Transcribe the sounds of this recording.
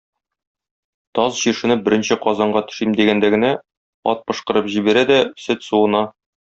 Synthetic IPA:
t̪ɒzʑiɾʃɘ̆nɘbɘ̆ɾɘ̆nɕɘqɒzɑɴɢɑt̪ɵ̥̆ʃimd̪iɡænd̪æɡɘ̆næ | ɒ̰t̪̚pɤ̆ʃqɤ̆ɾɤpʑibæɾæd̪æsɵt̪suwɤ̆nɑ

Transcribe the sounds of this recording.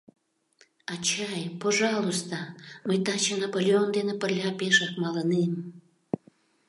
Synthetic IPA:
ɑt͡ɕɑjpoʒɑlost̪ɑməjt̪ɑt͡ɕenɑpolʲeond̪enepərlʲɑpeʃɑkmɑlənem

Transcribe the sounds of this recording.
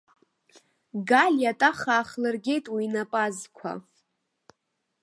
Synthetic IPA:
ɡalʲjatʼaχaːχlɨrɡʲe̞jtʼwiinapʼazkʷʰa̰

